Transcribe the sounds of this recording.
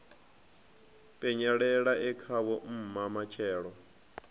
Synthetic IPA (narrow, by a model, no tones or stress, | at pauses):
pʼɛɲaɺɛɺaʔɛkʰaβɔm̩mamat͡ʃʰɛːɺɔ